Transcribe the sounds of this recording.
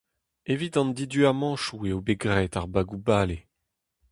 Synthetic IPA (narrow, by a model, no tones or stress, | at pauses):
evit̪ɑ̃nd̪id̪yamɑ̃ːʃueobeɡʁɛːtaʁbaɡubaːle